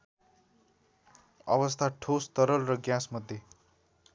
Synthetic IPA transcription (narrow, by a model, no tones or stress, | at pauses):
ʌ̰bʌst̪ʰaʈʰost̪ʌɾʌlrʌɡjãsmʌd̪ʱje